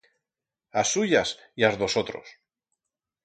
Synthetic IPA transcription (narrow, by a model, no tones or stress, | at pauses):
asːuʝasiazðo̞sot̪ɾo̞̰s